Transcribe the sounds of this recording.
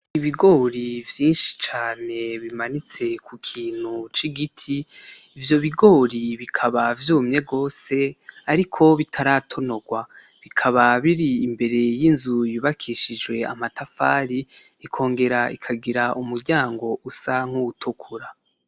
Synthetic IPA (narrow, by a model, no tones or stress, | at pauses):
iβiɡo̞ːɾivjiːnʃi̥t͡ʃaːne̞βimanit͡se̞kukʰiːn̥hut͡ʃiɡitʰiːvjo̞βiɡo̞ːɾiβikʰaβavjuːmɲe̞ɡo̞ːse̞aɾikʰo̞βitʰaɾatʰo̞no̞ɡwaβikʰaβaβiɾiːmbe̞ɾe̞jinzujuβakʰiʃid͡ʒwe̞a̰matafa̰ːɾiikʰo̞ːŋɡe̞ɾaḭkʰaɡiɾaʔumuɾɟaːŋɡo̞ʔusaŋ̥uutʰukʰuɾa